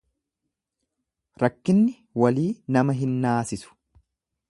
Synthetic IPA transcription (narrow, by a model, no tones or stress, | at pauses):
ɾɐkːɪnːɪ | wɐliːnɐmɐɦɪnːaːsɪsʊ̥